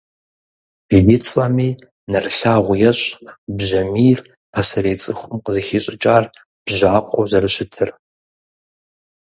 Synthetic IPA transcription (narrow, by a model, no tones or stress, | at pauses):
ʒ̥jɪt͡sʼɐmiː | nɐrɨɬaːʁʷʊjɛɕʼbʑɐmiːr | pʰɐsɐɾeːt͡sʼɨxʷʊmqəzixiːɕʼɪt͡ʃʼaːr | b̥ʒaːqʷʼo̰wzɐrɨɕɪtʰɨr